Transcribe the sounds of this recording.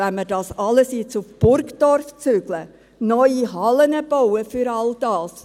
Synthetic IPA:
ɛnməɾdɑːsɑləsɪt͡sufb̥ʊɾkdɔɾft͡syɡ̥lə | nɔʏiɦɑlənəb̥ɔwəfyɾɑld̥ɑːs

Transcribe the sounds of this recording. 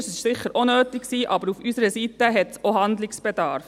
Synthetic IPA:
sɪʃsɪχːəɾʔonøːtɪksiːʔɑbəɾufysəɾəsitəɦɛtsoɦɑnd̪lɪksb̥ɛd̥ɑ̰ɾf

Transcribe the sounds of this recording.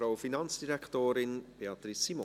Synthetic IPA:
ɾawfinɑnt͡sd̥iɾɛktoːɾɪnb̥eɑt̪ɾisːimo

